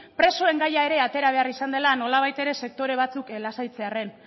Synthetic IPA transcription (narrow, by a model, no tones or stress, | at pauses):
pɾe̞so̞e̞ŋɡajae̞ɾe̞at̪e̞ɾaβ̞e̞arisand̪e̞lano̞laβ̞ajt̪e̞ɾe̞se̞k̚t̪o̞ɾe̞β̞at͡suklasajt͡se̞are̞n